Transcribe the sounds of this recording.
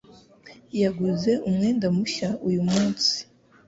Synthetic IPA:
jaɡuze̞ʔumŋe̞ːndamuʃaujumuːnsi̥

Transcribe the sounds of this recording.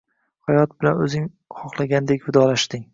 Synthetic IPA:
hajɒt̪̚bɪlanɵzɪŋ | χɒχlˠaɡʲand̪e̞kʲvɪd̪ɒlaʃt̪ɪŋ

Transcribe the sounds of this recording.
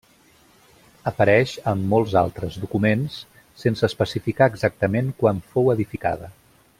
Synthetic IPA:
əpəɾɛʃəmːɔlˠza̰lˠt̪ɾəzðukumensː | ensəːspəsifikaəɡzak̚t̪əmeŋkwaɱfowəðifika̰ð̞ə

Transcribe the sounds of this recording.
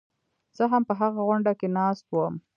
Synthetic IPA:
z̥əɦampəɦaɣaɣwʊɳɖakenɑst̪̚wəm

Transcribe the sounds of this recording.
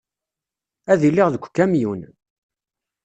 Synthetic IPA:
æðilːiʁðəkʷːkːæmjun

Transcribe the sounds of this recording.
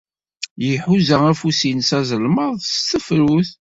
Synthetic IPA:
jəħuzææfusinsæzəlməðˤst̪əfɾuθ

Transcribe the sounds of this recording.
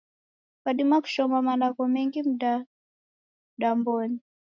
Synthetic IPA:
kaɗimaku̥ʃɔmamandakɔmɛŋɡim̩ɗa | ɗambɔni

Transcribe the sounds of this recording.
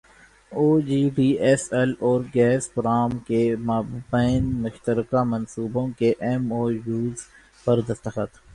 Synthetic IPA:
oːd͡ʒiːɖiːɛsɛlɔːɾɡɛːspʊɾaːmkemabaːɪnmʊʃt̪əɾkamɐ̃nsuːbõkeʔɛmoːjuːz | pɐɾd̪ɐst̪əxət̪

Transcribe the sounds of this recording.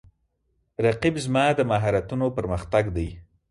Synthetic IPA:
ɾaqibzmɑd̪əmaɦɑɾat̪unopəɾməxt̪aɡd̪aj

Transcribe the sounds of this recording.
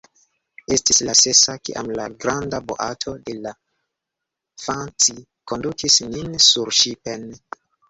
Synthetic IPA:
e̞stislase̞sakḭʔa̰mlaɡɾandabo̰ʔa̰tʰo̞de̞la | fant͡si | ko̞ndukisninsuɾʃipen

